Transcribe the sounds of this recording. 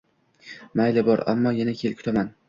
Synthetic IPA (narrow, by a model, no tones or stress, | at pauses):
majlɪbɒɾa̰mːɒjanakʲʰe̞lkʰʲʊ̥t̪ʰaman